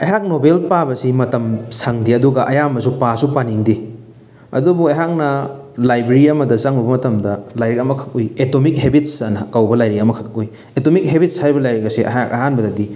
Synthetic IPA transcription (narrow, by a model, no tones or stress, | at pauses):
ɐɦak̚nobelpabɐsimɐtɐmsɐŋdiɐduɡɐʔɐjamɐsupasupaniŋdi | ɐ̰dubuɐjɦak̚nɐ | lajbɾeɾiɐmɐdɐzaŋubɐmɐtɐmdɐlajɾikɐmɐkʰɐ̥k̚ojetomik̚ɦebit̚sɐnkawbɐlajɾiɐmɐkʰɐk̚oj | etomik̚ɦebit̚shajbɐlajɾiɡɐseʔɐ̰aɐɦanbɐdɐdi